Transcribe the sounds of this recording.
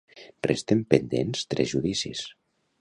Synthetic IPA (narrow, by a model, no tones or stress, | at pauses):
rest̪empend̪enst̪ɾezʒuðisis